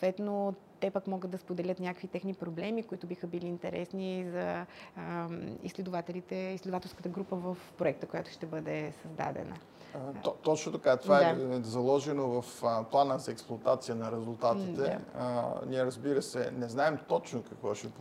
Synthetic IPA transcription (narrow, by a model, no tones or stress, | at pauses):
ot̪vɛt̪no | t̪ɛpəkmɔɡəd̪d̪ɐspod̪ɛlʲət̪nʲjakəkvit̪ɛxnipɾoblɛmikoʊit̪ʊbixəbiliːnt̪ɛɾɛsnizɐ | ḭslɛd̪ʊvat̪ɛlit̪ɛislʲɛd̪ovat̪ɛlˠskət̪əɡɾupəvəfpɾoɛk̚t̪əkojat̪ʊ̥ʃt̪ɛbɤd̪ɛsɐzd̪a̰d̪ɛ̰nə̰ | t̪ɔt͡ʃnot̪ɐkat̪ovaɛazɐlˠɔʒɛnovɐfplˠanəzɐɛksplˠʊɐt̪at̪sijənɐɾɛzulˠt̪at̪id̪ɛ | niɛɾɐzbiɾəsɛ̰nɛznaɛmt̪ɔt͡ʃnokɐkvɔʃɛ